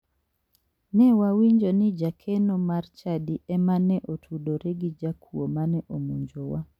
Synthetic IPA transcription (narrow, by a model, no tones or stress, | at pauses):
nɛwawiɲd͡ʒonɪd͡ʒakʰenomart͡ʃadiɛmanɛʔotʰudoɾɛɡid͡ʒakʰuomanɛʔomuɲd͡ʒowa